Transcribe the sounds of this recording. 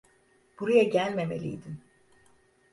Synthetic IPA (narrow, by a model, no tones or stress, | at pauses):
b̥uɾajaɟælʲme̞mḛlʲḭjd̪in